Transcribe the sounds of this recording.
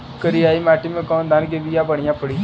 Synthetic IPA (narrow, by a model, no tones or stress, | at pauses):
kəɾiːaːiːmaːʈimẽkɔ̃ːnd̪aːnɡeːbijãːbəɳ̃ɪjãːpəɽiː